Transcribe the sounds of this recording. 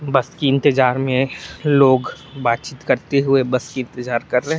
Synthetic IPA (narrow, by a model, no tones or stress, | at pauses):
bɐskiɪ̃nt̪əd͡ʒaːɾmẽloːɡ | baːt̪̚t͡ʃiːt̪kɐɾt̪eɦʊebɐskiɪ̃nt̪əd͡ʒaːɾkɐɾːɛɦɛ